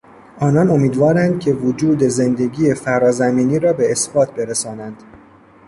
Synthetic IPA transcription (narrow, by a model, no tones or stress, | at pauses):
ɒːnɒno̞miːd̪vɒːɾænd̪̚cʰe̞vod͡ʒuːd̪e̞ze̞nd̪e̞ɟiːje̞fæɾɒːzæmiːniːɾɒːbe̞ːsbɒːt̪̚ʰbe̞ɾesɒːnænd̪̥